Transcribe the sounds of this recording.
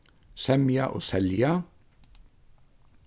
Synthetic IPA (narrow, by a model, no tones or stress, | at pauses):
sɛmjɑ̰ʔo̰ːsɛljɑ